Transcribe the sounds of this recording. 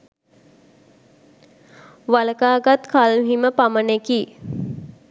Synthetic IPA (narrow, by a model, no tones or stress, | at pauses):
ʋaləkaːɡat̪kʰalmɦiməpaməneki